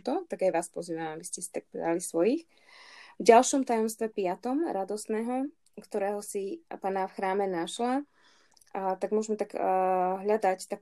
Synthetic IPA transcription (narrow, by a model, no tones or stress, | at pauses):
t̪ɔt̪aɡajʋaːspɔziːʋamabiscɛsi̥t̪ak̚pɛ̰d̪alisʋɔjix | vɟalʃɔmt̪ajɔmst̪ʋɛpɪat̪ɔmɾʔad̪ɔsnɛːɦɔ | kt̪ɔɾɛːɦɔsipaːnafxɾaːmɛnaʃla | t̪aɡmʊɔʒmɛt̪aɡɦʎad̪act̪ak